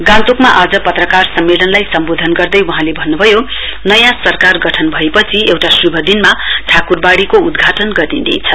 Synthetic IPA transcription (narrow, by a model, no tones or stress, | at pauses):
ɡalt̪okmaʔad͡zʌpʌt̪rʌkarsʌmːelʌnlajsʌmbod̪ʱʌnɡʌrd̪ʌjwuɦãlebʱʌnːubʱʌjo | nʌjãsʌrkarɡʌʈʰʌnbʱʌepʌt͡sʰiewʈasrubʱʌd̪inmaʈʰakurbaɽikoud̪ɡʱaʈʌnɡʌɾid̪ḛjt͡sʰʌ